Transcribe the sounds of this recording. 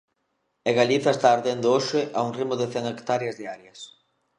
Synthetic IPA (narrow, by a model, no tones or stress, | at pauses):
eɣaliθaest̪aːɾðend̪ʊoʃɪʔauŋrimʊðeθeŋekt̪aɾjɐzðiaɾjɐs